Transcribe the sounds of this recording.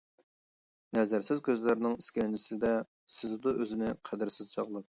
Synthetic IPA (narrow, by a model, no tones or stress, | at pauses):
nɛzæɾsɪzkʲøzlæɾnɪŋiskʲɛnɪsɪd̪ɛ | sɪzd̪uʔøzɪnɪqʰæd̪ɪɾsɪzt͡ʃʰɑʁlˠəq̚